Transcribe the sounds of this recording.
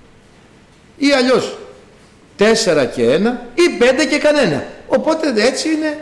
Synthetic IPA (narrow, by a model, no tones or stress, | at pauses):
iɐʎo̞s | t̪e̞se̞ɾɐce̞enɐipe̞nd̪e̞ce̞kɐne̞nɐ̰o̞po̞t̪e̞ðe̞t͡siine̞